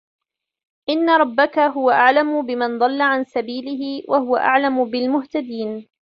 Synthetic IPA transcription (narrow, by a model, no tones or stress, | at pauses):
ʔɪnːaɾˤɑbːakaɦʊwaʔaʕlamʊbɪmand̪ˤɑlːaʕansabiːlɪɦɪwʔahʊwa̰ʔa̰ʕlamʊbɪlmʊht̪ad̪iːn